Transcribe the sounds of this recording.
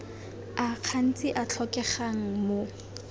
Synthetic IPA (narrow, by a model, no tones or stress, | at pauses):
aq͡χʰan̩t͡sʼiʔat͡ɬʰɔkɛχaŋ̩mo